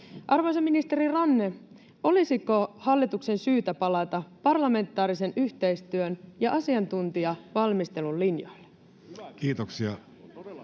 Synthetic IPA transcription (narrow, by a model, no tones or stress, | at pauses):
ʔɑrʋojseminist̪e̞ɾirɑnːe̞ | o̞lisikohɑlːit̪ukse̞nsyːt̪æpɑlɑt̪ɑpɑrlɑme̞nt̪ːˑɑːɾise̞nʔyçt̪e̞jst̪yønjɑʔɑsiɑnt̪unt̪iɑʋɑlmist̪e̞lullinjojlːe̥ | kiːt̪oksiɑ̰